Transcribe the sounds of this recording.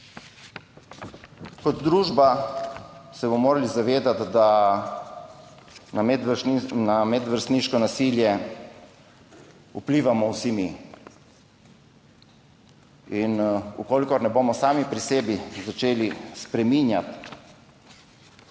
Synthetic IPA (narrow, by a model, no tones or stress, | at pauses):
kɔd̪d̪ɾuːʒba | sɛbɔmoːɾalizaʋeːd̪at̪d̪a | namɛd̪ʋəɾst̪niːʃkɔnasiljɛ | ṵpliːʋamɔwsimi | inṵkoːlikɔɾnɛbomɔsaːmipɾisɛːbizat͡ʃeːlispɾɛminja̰t̪